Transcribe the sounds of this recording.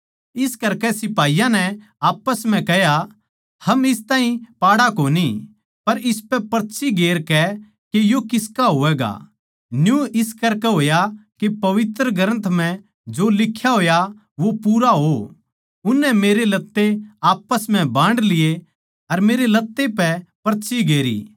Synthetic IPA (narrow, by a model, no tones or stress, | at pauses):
ɪskɐɾkɛsɪpaːijãnɛ | aːpəsm̤ɛ̃kɛɦja | hɐmɪst̪ãːɦĩpaːɽakoːni | pɐɾɪspɛpɐɾt̪ːʃʰiɡeːɾkɛ | kejokɪskaɦoːʋɛːɡa̰ | njũɪskɐɾkɛɦoːjakepɐʋɪt̪ɾəɡʱɐɾə̃nt̪ʰm̤ɛ̃ | d͡ʒolɪkʰːjaɦoːja | ʋopuːɾaɦo | ʊnːɛmeːɾelɐt̪ːeaːpːəsm̤ɛ̃bãːɳɖlɪje | ɐɾmeːɾelɐt̪ːepɛpɐɾt̪ːʃʰiɡeːɾḭː